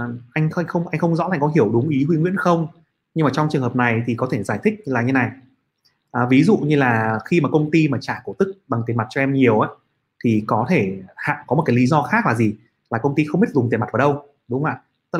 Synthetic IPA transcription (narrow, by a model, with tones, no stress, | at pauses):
ʔa˧jŋ̟xa˧jŋ̟xə˧wŋ͡mʔa˧jŋ̟xə˧wŋ͡mzɔ̰˧˥aː˨˩ŋkɔ˨˦ɦi˧˩əwɗʊ˨˦ŋ͡mʔi˨˦ɦwi˧ŋwi˧˥ənxə˧wŋ͡m | ɲɨ˧maː˨˩t͡ɕɔ˧ŋ͡mt͡ɕɨ˨˩ŋhə˨˩p̚na˨˩jt̪ʰi˨˩kɔ˨˦t̪ʰe˧˩zaː˧˩jt̪ʰï˦˥k̚laː˨˩ɲɨ˧˦na˨˩j | ʔvi˨˦zṵ˧˨ɲɨ˧laː˨˩xi˧maː˨˩kə˧wŋ͡mt̪i˧maː˨˩t͡ɕaː˧˩ku˧˩t̪ɨ˦˥k̚ɓa˨˩ŋt̪e˨˩ma˨˩t̚t͡ɕɔ˧ʔɛ˧mɲi˨˩əwʔaː˨˦ | t̪ʰi˨˩kɔ˨˦t̪ʰe˧˩ha̰ː˧˨ŋkɔ˨˦mo˨˩t̚ka˨˦li˨˦zɔ˧xaː˦˥k̚laː˨˩zi˨˩ | laː˨˩kə˧wŋ͡mt̪i˧xə˧wŋ͡mɓi˦˥t̚zʊ˨˩ŋ͡mt̪e˨˩m˨˩t̚vːɗə˧w | ɗʊ˨˦ŋ͡ma̰ː˧˨ | t̪ə˦˥